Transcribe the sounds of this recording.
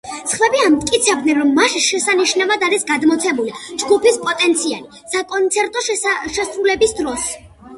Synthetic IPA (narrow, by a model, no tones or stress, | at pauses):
sχvɛbiamt̪ʼkʼit̪sʰɛbd̪nɛnɾɔmːaʃʃɛsaniʃnavad̪aɾisɡad̪mɔt̪sʰɛbulid͡ʒɡupʰispʼɔt̪ʼɛnt̪sʰia̰li | sakʼɔnt̪sʰɛɾt̪ʼɔʃɛsɾulɛbisd̪ɾɔs